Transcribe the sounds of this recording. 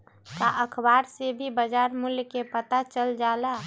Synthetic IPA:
kaʔəkʰbaːɾsebʱibəd͡ʒaːɾmʊljkepət̪at͡ʃəld͡ʒaːla

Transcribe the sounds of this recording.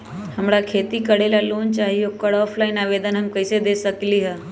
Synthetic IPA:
həmɽakʰeːt̪ikəɽelaloːnt͡ʃaːɦijokəɽɔːpʰlaːɪnaːʋeːd̪ənɦəmkəɪsed̪eːsəkliɦɛ

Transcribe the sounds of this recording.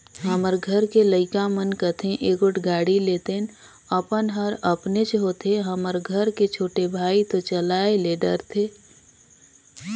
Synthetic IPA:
ɦəməɾɡʱəɾkeləɪkamənkət̪ʰẽʔeːɡʊʈʰɡaːɽileːt̪en | əpənɦəɾəpnet͡ʃɦot̪ʰeɦəməɾɡʱəɾket͡ʃʰoːʈebʱaːit̪ot͡ʃəlaːeleɖə̰ɾt̪ʰeː

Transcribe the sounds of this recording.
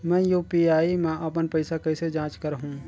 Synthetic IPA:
mɛ̃ːjuːpiaːimɛ̃ːʔɐp̬ənpəɪsakɐɪsed͡ʒãːt͡ʃkəɾɦũː

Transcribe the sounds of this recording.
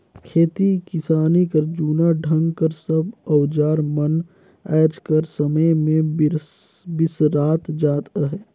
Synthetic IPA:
kʰeːt̪ikɪsaːnikəɾd͡ʒuːnaɖʱə̃ŋɡkəɾsəbɔwd͡ʒaːɾmən | ɛːd͡ʒkəɾsəməjmẽ | bɪsɾaːt̪d͡ʒaːt̪aɦɛː

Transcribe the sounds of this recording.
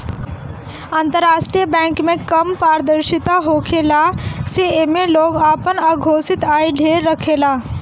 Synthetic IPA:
ənt̪əɾːaʂʈɾijəbɛ̃ŋkmẽkəmpaɾd̪əɾʃit̪aɦokʰelaseemeloɡapənaɡʱosit̪ajɖʱeɾːəkʰela

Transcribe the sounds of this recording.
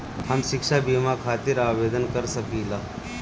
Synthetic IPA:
hɐmʃɪkʃabiːmakʰaːt̪ɪɾaːʋeːd̪ənkɐɾsɐkiːlaː

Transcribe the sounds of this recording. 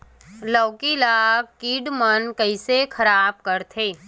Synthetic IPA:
ləːkilaːkiːɖmənkəisekʰɐɾaːb̚kəɾt̪ʰeː

